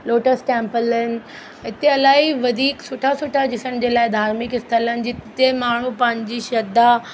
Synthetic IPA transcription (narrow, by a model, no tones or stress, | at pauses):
loːʈəsʈɛ̃ːmpələn̆ | ɦɪt̪eɐlaːiʋɐd̪ʱiːksʊʈʰasʊʈʰad͡ʑɪsəñɪ̆d͡ʑeːlaːɪd̪ʱaːɾmɪkɪst̪ʰələnɪ̆d͡ʑɪt̪emaːɳ̤upɐ̃ɦɪ̃ɲd͡ʑiʃɐd̪a